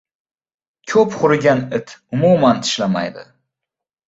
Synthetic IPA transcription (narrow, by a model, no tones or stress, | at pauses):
kʲʰɵpχʊɾɡʲanɪt̪ʰʊmumant̪ʰɪ̥ʃlama̰jd̪ɪ̰